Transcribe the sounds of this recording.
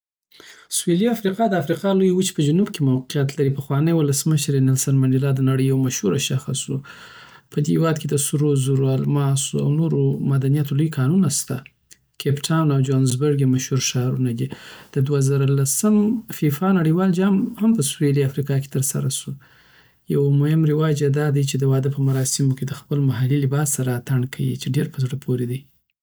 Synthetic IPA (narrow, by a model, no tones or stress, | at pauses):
sweliafɾiqɑd̪əafɾiqɑlojwut͡ʃe̥pəd͡ʒunubkemawqijat̪laɾipəxwɑnəjwʊləsməʃəɾenɪlsanmanɪlɑd̪ənaɽəjːawmaʃhuɾaʃaxasu | pʰəd̪ewɑd̪ked̪əsuɾozuɾoalmɑsoa̰wnoɾomad̪anijat̪olojkʰɑnunast̪a | kʰepʈʰawnawd͡ʒonzbəɾɡemaʃhuɾʃɑɾunad̪id̪̥əd̪wazaɾalasəmfifɑnaɽəwɑld͡ʒɑmhampəsweliafɾikɑke̥t̪əɾsa̰ɾasu | jawamʊhɪmɾɪwɑd͡ʒad̪ɑd̪at͡ʃed̪əwɑd̪əpəmaɾɑsɪmoked̪əxpəlmaɦalilɪbɑsːaɾat̪aɳɖkʰawḭt͡ʃeɖeɾpəzɽəpʰoɾed̪aj